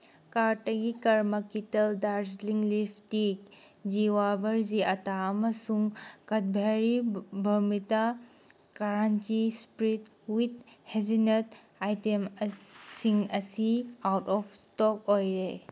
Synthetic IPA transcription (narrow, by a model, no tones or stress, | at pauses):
kaɾtɐɡikɐɾmɐkitɐldaɾsliŋlipʰtik | d͡ʒiwabɐɾziɐtaɐmɐsuŋkɐt̚bʱeɾibʱɐɾmita | kaɾant͡ʃispɾit̚ | wit̚hezinet | ajtemsiŋɐsiawtɔpʰstɔk̚ojɾe